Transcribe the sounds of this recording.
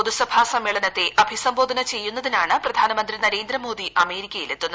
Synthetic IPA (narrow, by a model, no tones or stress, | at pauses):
uðusɐbʱasɐmːeːɭɐnɐt̪ːe̞ʔɐbʱisɐmbo̞ːd̪ʱɐnɐt͡ɕe̞jːunːɐðinaːɳɨprɐd̪ʱaːnɐmɐnd̪rinɐɾe̞ːnd̪rɐmo̞ːd̪iʔɐme̞ːɾikʲːɐjilet̪ːunːɐ